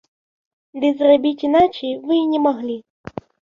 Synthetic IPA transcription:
d̪ɨzrabʲit͡sʲinat͡ʃejvɨnʲɛmaɣlʲi

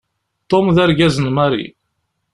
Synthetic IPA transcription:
t̪ˤːomðæɾɡæzənmæɾḭ

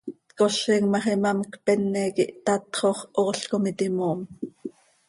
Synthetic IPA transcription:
t̪koɬɛŋmɑχɛmɑmkpɛnːɛːkiʔt̪ɑt̪χoχoɬkomit̪imoːm

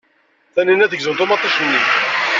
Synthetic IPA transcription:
θæninæðəɡzənt̪ʊmɑt̪ˤːɑʃənːi

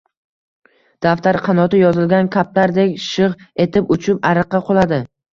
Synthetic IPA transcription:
d̪̥aft̪aɾqʰɑnɒt̪ɪjɒzɪlɡʲankʰʲap̚laɾd̪ekʲʃɨʁe̞t̪ʰɪpʊt͡ʃʰɪpaɾɨqːɑqʰolˠad̪ɪ

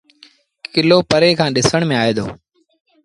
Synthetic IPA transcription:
kɪloːpəɾeːkʰãːɗɪsəɳ̃mẽːaːeːd̪o̰ː

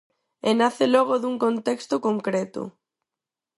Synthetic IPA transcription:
enaθelɔɣoðuŋkont̪ekst̪okoŋkɾet̪o̰

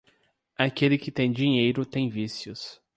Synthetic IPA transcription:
akelɪkɪt̪ẽj̃d͡ʒĩɲejɾʊt̪ẽj̃visjʊs

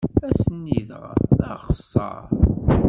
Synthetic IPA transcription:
æsənːiðʁə̰χə̥sˤːɑ̰ɾˤ

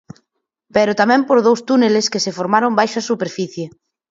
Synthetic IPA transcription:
pɛɾʊt̪amɛ̃mpoɾðowst̪uneleskesefoɾmaɾombajʃɐsupeɾfiθje

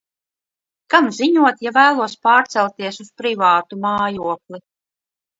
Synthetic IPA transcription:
kamziɲuɔt̪javæːlˠuɔspaːɾt̪sɛlˠt̪iɛsuspɾivaːt̪umaːjuɔklˠi

